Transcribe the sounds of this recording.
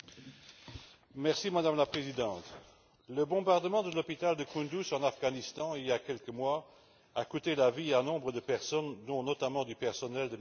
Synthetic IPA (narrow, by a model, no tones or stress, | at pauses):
mɛʁsimad̪amlapχezid̪ɑ̃t̪ | ləbɔ̃baʁd̪əmɑ̃d̪əlɔpit̪ald̪əkũd̪usɑ̃nafɡanist̪ɑ̃iljakʲɛlkəmwa | akut̪elavianɔ̃bʁəd̪əpɛʁsɔnd̪ɔ̃nɔt̪amɑ̃d̪ypɛʁsɔnɛld̪əm